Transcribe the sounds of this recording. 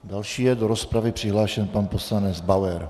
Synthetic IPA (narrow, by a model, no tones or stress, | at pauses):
d̪alʃiːjɛdoɾospɾavɪpr̝̥ɪɦlaːʃɛnpanposlanɛd͡zbawɛɾ